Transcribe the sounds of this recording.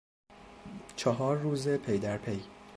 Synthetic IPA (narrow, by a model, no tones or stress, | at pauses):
t͡ʃʰɒɦɒːɾːuːze̞pʰejd̪æɾpʰej